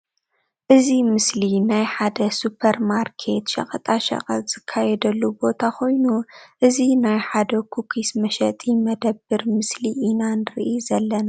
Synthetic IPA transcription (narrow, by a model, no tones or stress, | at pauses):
ʔɨzimɨslinajħad̪ɐsupʰɐɾmaɾkʰe̞t̪ʃɐ̰kʼɐt̪ʼaʃɐ̰qʼɐt̪z̥ɨkʰːajɛd̪ɐlːubo̞t̪ʰakʰo̞jnuʔɨzinajħad̪ɐkʰukʰismɐʃɐt̪ʼimɐd̪ɐbːɨɾmɨsliʔːnanɨɾʔizɐlːɐna